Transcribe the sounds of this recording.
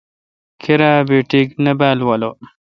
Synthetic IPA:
kʰiɾabiʈiknɐbaːlwɐlo

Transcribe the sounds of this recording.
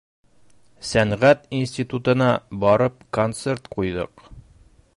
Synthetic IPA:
sæɴʁæt̪insʲt̪ʲit̪ut̪ɤ̆nɑbɒɾɤp̚kont̪se̞ɾt̪qujðɤ̰q

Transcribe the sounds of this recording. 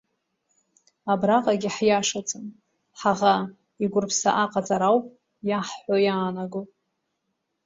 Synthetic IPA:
abraqʼaɡʲɪħjaʂat͡sʼɨm | ħaʁa | iɡʷʊrpʰsa̰ʔaqʼat͡sʼaɾawpʼ | jaħħʷojaːnaɡo

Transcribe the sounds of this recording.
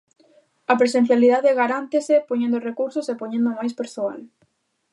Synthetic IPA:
ɐpɾesẽn̟θjaliðaðɪɣaɾant̪ɪsɪpoɲẽnd̪ʊrekuɾsosepoɲẽnd̪ʊmajspeɾsoa̰l

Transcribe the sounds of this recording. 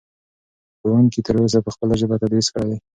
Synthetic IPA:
pəwankit̪əɾos̬apəxpəlaʒəbat̪ad̪wiskəɽed̪e

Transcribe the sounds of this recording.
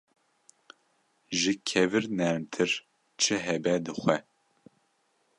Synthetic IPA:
ʒɨkʰɛvɨɾnɛɾmt̪ʰɨɾ | t͡ʃʰɨɦɛbɛd̪ɨxʷɛ

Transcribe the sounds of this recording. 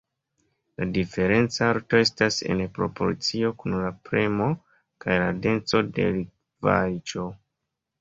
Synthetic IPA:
ladife̞ɾe̞nt͡saaɾto̞e̞stase̞̰npɾo̞̰po̞̰ɾt͡sio̞kunlapɾe̞mo̞ | kajlade̞nt͡so̞de̞̰lik | va̰jt͡ʃo̞

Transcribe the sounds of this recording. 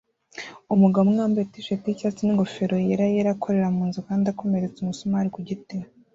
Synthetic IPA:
umuɡamŋaːmbetiʃeticat͡siniŋɡofeɾo̞jeɾajeɾakʰo̞ɾe̞ɾamuːnzikaːndako̞me̞ɾe̞t͡sumusomaɾikuɟite

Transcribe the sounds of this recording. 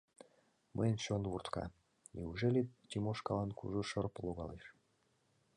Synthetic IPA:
mʔəjnt͡ɕonβurt̪kɑ̰ | nʲiuʒelʲet̪ʲimoʃkɑlɑnkṵʒuʃɤrpəloɣɑ̰leʃ

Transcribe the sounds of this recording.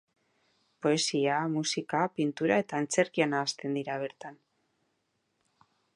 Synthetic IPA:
po̞e̞siamusikapint̪uɾae̞t̪aent͡se̞ɾkianaːst̪e̞nd̪iɾaβ̞e̞ɾt̪an

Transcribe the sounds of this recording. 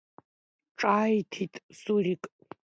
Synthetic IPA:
ʈ͡ʂʼajtʰitʼsurikʼ

